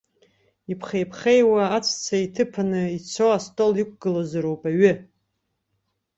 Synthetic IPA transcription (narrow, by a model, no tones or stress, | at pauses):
ipʰχejpʰχejwaːt͡sʷʰt͡sʰaitʰɨpʰanɨit͡sʰoastʼolik̚ʷʰʼɡɨlazaɾowpʼaɥʏ